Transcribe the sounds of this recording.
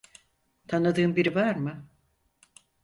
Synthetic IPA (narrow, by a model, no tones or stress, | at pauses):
t̪ʰanɯd̪ɯːmbiɾivaɾmɯ